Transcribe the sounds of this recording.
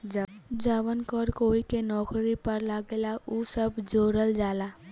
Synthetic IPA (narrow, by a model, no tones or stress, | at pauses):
d͡ʒaːʋənkɔɾkoːikenɔːkɾipəɾlaɡeːlaʔusəbd͡ʒoːɾəld͡ʒaːlaː